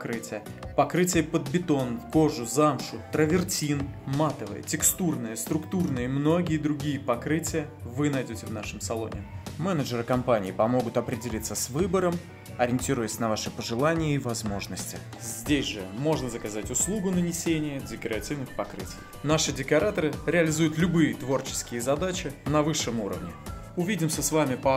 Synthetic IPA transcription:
kɾɨtʲɪjə | pɐkɾɨtʲɪjəpəd̪̚bʲɪt̪o̞nko̞ʐʊzamʂʊt̪ɾəvʲɪrtʲinmat̪əvɨ̰jə̰tʲɪkst̪urnɨjəst̪ɾʊkt̪urnɨjəimno̞ɡʲɪjəd̪ɾʊɡʲijəpɐkɾɨtʲɪjə | vɨnɐjdʲotʲɪvnaʂɨmsɐlˠo̞̰nʲɪ̰mɛnəʐəɾəkɐmpanʲɪːpɐmo̞ɡʊt̪ɐpɾʲɪdʲɪlʲit̪səsvɨbəɾəm | ɐɾʲɪnʲtʲiɾʊjəsʲnɐvaʂɨpəʐɨlˠanʲɪjəivɐzmo̞ʐnəsʲtʲɪ | zʲdʲesʲʐɨmo̞ʐnəzəkɐzatʲʊslˠuɡʊnənʲɪsʲenʲɪjədʲɪkəɾɐtʲivnɨxpɐkɾɨ̰tʲɪ̰j | naʂɨdʲɪkɐɾat̪əɾɨɾʲɪɐlʲɪzujʊt̪lʲʊbɨjət̪vo̞rt͡ɕɪ̥skʲɪjəzɐd̪at͡ɕɪnɐvɨʂːɨmuɾə̰vnʲɪ | ʊvʲidʲɪmsʲəsvamʲɪpə

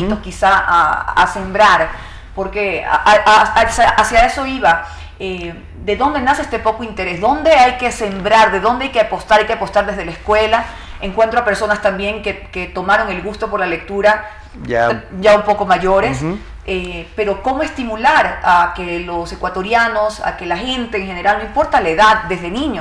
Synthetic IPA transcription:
t̪okisaaa̰se̞mbɾaɾ | po̞ɾke̞̰aasaasjae̞so̞iβa | e | d̪e̞ðo̞nd̪enasest̪e̞po̞koint̪e̞ɾe̞sðo̞nd̪e̞ajke̞se̞mbɾaɾðe̞ðo̞nd̪eajkeapo̞st̪aɾajkeapo̞st̪aɾðe̞zð̞elaeskwe̞la | eŋkwe̞nt̪ɾoape̞ɾso̞nast̪ambje̞ŋkeket̪o̞maɾo̞ŋe̞lɣust̪o̞po̞ɾlale̞k̚t̪uɾa | ɟ͡ʝaumpo̞ko̞maʝoɾes | epe̞ɾo̞ko̞moe̞st̪imulaɾake̞lo̞se̞kwat̪o̞ɾjano̞sa̰ke̞laxee̞nt̪e̞ːŋxe̞neɾalnoimpo̞ɾt̪alaeðad̪̚d̪e̞zðenĩɲo

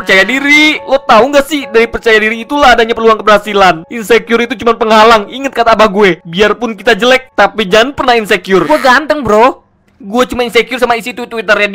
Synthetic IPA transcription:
pərt͡ʃajadiɾilɔt̪auŋɡasɪhdaɾipərt͡ʃajadiɾiːt̪ulaɦadaɲapərluaŋkəbəɦasilanʔinsekjʊɾit̪ut͡ʃumanpəŋɦalaŋiŋət̪̚kat̪aːbahɡuebiarpʊnkit̪ad͡ʒəlɛk̚t̪apid͡ʒaŋanpərnahinsekjʊrɡuaɡant̪əŋbɾoh | ɡuɛt͡ʃumaninsekiʊrsamaisit̪ut̪uwit̪ərjad

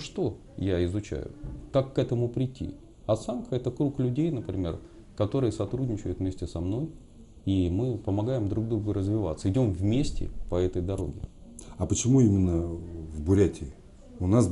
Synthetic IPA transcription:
ʂt̪o̞ | jaɪzʊt͡ɕæ̰jʊ̰kakːɛt̪əmʊpɾʲɪtʲːḭ | ɐt̪sankəɛt̪əkɾuklʲʉdʲejnəpɾʲɪmʲe̞r | kɐt̪o̞ɾɨjəsɐt̪ɾudʲnʲɪt͡ɕɪjʊt̪vmʲesʲtʲɪsɐmno̞j | imɨpəmɐɡajɪmd̪ɾuɡ̚d̪ɾuɡərəzvʲɪvat̪səɪdʲo̞mvmʲesʲtʲɪ̰pəɛt̪əjd̪ɐɾo̞̰ɡʲɪ̰ɐpət͡ɕɪmuimʲɪnːəvbʊɾʲætʲɪ | ʊnas

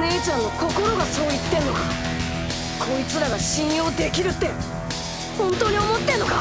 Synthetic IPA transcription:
neːt͡ɕãnːo̞ko̞ko̞ɾo̞ɡaso̞ːit̪ːẽ̞nːo̞ka | kʰoːit͡sɨɾaɡaɕĩɰ̃jo̞ːd̪e̞kʲiɾɯ̟t̪ːe̞ | hõ̞nt̪o̞ːɲ̟io̞mot̪ːẽ̞nːo̞ka

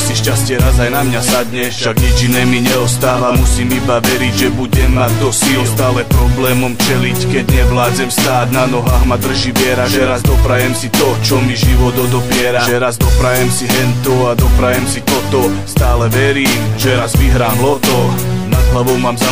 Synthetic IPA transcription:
siʃcascɪɛɾazajnamɲasad̪ɲɛʃaɡɲɛd͡ʒinɛːmiɲɛɔst̪aːʋamusiːmibaʋɛɾiɟʒɛbuɟɛmːad̚d̪ɔsilst̪aːlɛpɾɔblɛːmɔmt͡ʃɛlickɛɟɲɛʋlaːd͡zɛmst̪aːd̪nanɔɦaːɣmad̪r̩ʒiʋɪɛɾaʒɛɾazd̪ɔpɾajɛmsit̪ɔt͡ʃɔmiʒiʋɔd̪ɔd̪ɔpɪɛɾaɛɾazd̪ɔpɾajɛmsiɦɛnt̪ɔad̪ɔpɾajɛmsit̪ɔt̪ɔst̪aːlɛʋɛɾiːmʒɛɾazʋiɦɾaːɦlɔd̪ɔnad̪ɦlaʋɔʊmaːmza

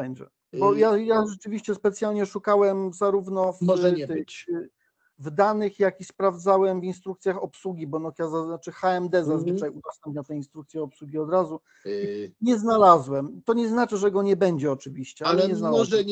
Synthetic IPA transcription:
bɛɲd͡ʑɛ̰ | bɔjajaʐɛt͡ʂɘvʲiɕt͡ɕɛspɛt̪sʲjalɲɛʂukawɛmzaɾuvnɔft̪ | vd̪anɘxjakʲispɾavd̪zawɛmvinst̪ɾuk̚t̪sʲjaxɔpswuɡʲibɔnɔxjazaat͡ʂɘxaɛmd̪ɛzazvvɘt͡ʂajuzɔst̪ɛmpʲɲat̪ɛinst̪ɾuk̚t̪sjɛɔpswuɡʲiɔd̪ɾazu | ɲɛznalazwɛmt̪ɔɲɛznat͡ʂɘʐɛɡɔɲɛbɛɲd͡ʑɛɔt͡ʂɘvʲiɕt͡ɕɛaalɛɛɲɛznam

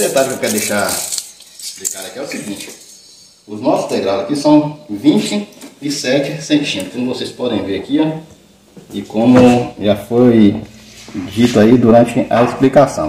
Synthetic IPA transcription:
d̪et̪aɾʊkewkɛɾd̪eʃaɾ | ɪsplikaɾɐkiɛʊsiɡĩnt͡ʃɪ̥ | ʊznɔsʊ̥st̪eʒad̪ɐkisɐ̃w̃vĩt͡ʃɪɪsɛt͡ʃɪsẽt͡ʃĩnkõmvosejspɔd̪ẽj̃veɾɐkiɔ | ɪkõmʊʒafoj | d͡ʒit̪ʊaid̪uɾɐ̃t͡ʃɪʔɐesplikasɐ̃w̃

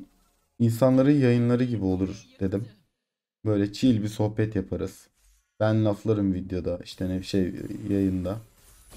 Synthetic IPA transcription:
insanlˠaɾɯnjajɯnlˠaɾɯɟibio̞lˠuɾd̪̥e̞d̪im | bø̞jlʲɛt͡ʃʰilʲbiso̞hbɛt̪japʰaɾɯz̥ | b̥ænlːʲaflˠaɾɯmvid̪jo̞d̪aʔiʃt̪ʰɛnɛbiʃejjajɯnd̪a

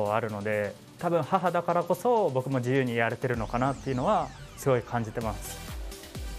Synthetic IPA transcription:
aɾɯ̟no̞d̪e̞ | t̪abɯ̟̃ɰ̃haɦad̪akaɾako̞so̞bo̞kɯ̟mo̞d͡ʑijɯ̟ːɲ̟ijaɾe̞t̪e̞ɾɯ̟no̞kanat̪ːe̞iɯ̟no̞βasɨɡo̞ikʰãɲ̟d͡ʑit̪e̞masɨ̥

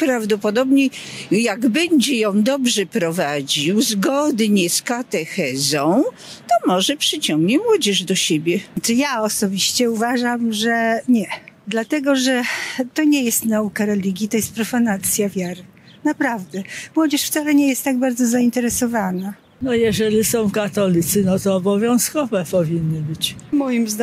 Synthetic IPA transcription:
pɾavd̪ɔpɔd̪ɔbɲejaɡbɛɲd͡ʑɛjɔ̃w̃d̪ɔbʐɛpɾɔvad͡ʑiwzɡɔd̪ɲɛskat̪ɛxɛzɔ̃w̃ | t̪ɔmɔʐɛpʂɘt͡ɕɔ̃ŋɡɲɛmwɔd͡ʑɛʐd̪ɔɕebʲjɛt͡ʂɨjaɔsɔbʲiɕt͡ɕɛuvaʐamʐɛɲɛd̪lat̪ɛɡɔʐɛt̪ɔɲejɛst̪naukaɾɛlʲiɡʲjit̪ɔjɛst̪̚pɾɔfanat̪sʲjavʲjaɾɘ | napɾavd̪ɛmwɔd͡ʑɛʂft̪salɛɲejɛst̪ːaɡ̚baɾd̪zɔzaint̪ɛɾɛsɔvana | nɔjɛʐɛlʲisɔ̃w̃kat̪ɔlʲit̪sɘnɔt̪ɔːbɔvʲjɔ̃w̃skɔvɛpɔvʲinːɘbɘt͡ɕmɔjimzd̪

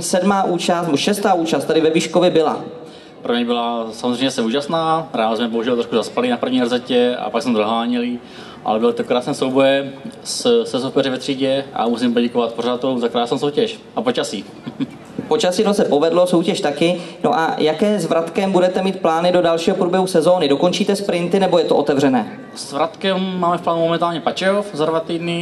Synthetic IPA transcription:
sɛdmaːʔuːt͡ʃast̪nɛboʃɛst̪aːuːt͡ʃast̪adɪvɛviːʃkovjɛbɪla̰ | pɾoɲɛjbɪlasamozrɛjɲɛsɛuːʒasnaːɾɛalsmɛboɦuʒɛlt̪ɾoʃkuzaspalinapɾr̩vɲiːrzɛcɛa̰paɡsmɛzaɦlaːɲɛli | ʔa̰lɛbɪlt̪okɾaːsnɛːsowbojɛssɛsopɛrɪvɛt̪r̥iːɟɛʔa̰mus̬impoɟɛkovat̪porat̪omzakɾaːsnoːsowcɛʃ | ʔapot͡ʃasi | po̞t͡ʃasɪnosɛpo̞vɛdlo̞so̞wcɛʃt̪akɪno̞̰ʔa̰jakɛːzvɾat̪kɛmbudɛt̪ɛmiːt̪̚plaːnɪdo̞dalʃiːɦo̞pɾuːbjɛɦusɛzo̞ːnɪdo̞ko̞nt͡ʃiːt̪ɛspɾɪnt̪ɪnɛbo̞jɛt̪oʔot̪ɛvrɛnɛ̰ː | z̥vɾat̪kɛmːaːmɛfplaːnumomɛnt̪aːlɲɛpat͡ʃɛofzadvat̪iːdnɪ

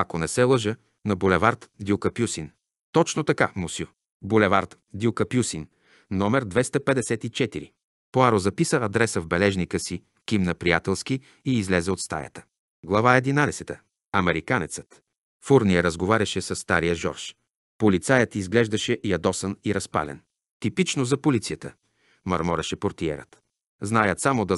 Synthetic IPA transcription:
ɐkonɛsɛlˠɤʒə | nɐbulɛvaɾt̪d̪iukɐpjusin | t̪ɔt͡ʃnot̪ɐka̰musʲju | bulɛvaɾt̪ | d̪iukɐpjusin | nɔmɛɾd̪vɛst̪ɐpɛd̪ɛsɛt̪it͡ʃɛt̪iɾḭ | poaɾozɐpisəɐd̪ɾɛsəvbɛlɛʒnikəsi | kʲimnɐpɾijat̪ɛlˠski | iːzlɛzɛot̪st̪a̰jə̰t̪ə̥ | ɡlˠɐvaɛd̪inad̪ɛsɛt̪ə | ɐmɛɾikanɛt̪sə̥t̪ | fuɾnijəɾəzɡovaɾʲɐʃɛsɐsːt̪aɾijəʒɔ̰ɾʃ | polit̪sajət̪izɡlɛʒd̪ɐʃɛʔiɐd̪ɔsəniɾɐspa̰lɛ̰n | t̪ipit͡ʃnozɐpolit̪sijət̪ə | mɐɾmɔɾɛʃɛpoɾt̪iɛ̰ɾə̰t̪ | znajət̪samod̪ɐ

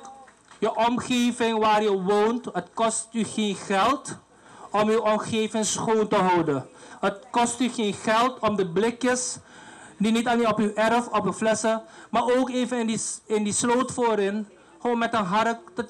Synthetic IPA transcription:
jəʔɔmχeːvɪŋʋaːrjəʋowntɦətkɔstyχenχɛlˠt | ɔmywɔmχejvɪŋsχoːntəɦɔwdənɦət̚kɔstyχeːnχɛlˠtɔmdəblɪkjəs | dinitɑlinɔpywʔɛrfɔpyflɛsəmaːɹoːkeːvənɪndiɪndislowtfoːɾɪn | χoːnmɛtənɦɑrək̚ə

